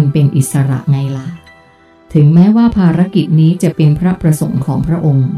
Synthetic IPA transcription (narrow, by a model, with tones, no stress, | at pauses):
npe˧nʔi˨˩t̪̚sa˧ɾa̰˨˩ʔŋa˧jla˨˩ | t̪ʰɯ˩˦ŋmɛː˦˥waː˥˩pʰaː˧ɾa˦˥ki˨˩t̪̚niː˦˥t͡ɕa˨˩ʔpe˧npʰɾa˦˥pɾa˧so˨˩˦ŋkʰɔː˩˦ŋpʰɾa˦˥ʔo˧ŋ